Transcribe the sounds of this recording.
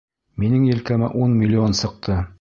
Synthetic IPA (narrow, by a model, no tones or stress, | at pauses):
minɘŋjɘ̆lkæmæʔunmʲilʲːionsɤ̆q̚t̪ʰɤ